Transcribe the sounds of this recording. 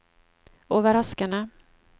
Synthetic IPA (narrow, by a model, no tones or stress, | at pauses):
oːvəɾaskaɳa